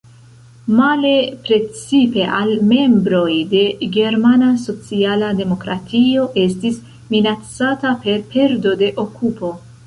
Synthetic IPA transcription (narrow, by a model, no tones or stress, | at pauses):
male̞pɾe̞t͡sipe̞ʔalme̞mbɾo̞jde̞ɡe̞ɾmanaso̞t͡sialade̞mo̞kɾatʰio̞ʔe̞stis | minat͡satape̞ɾpe̞ɾdo̞de̞ʔokʰupo̞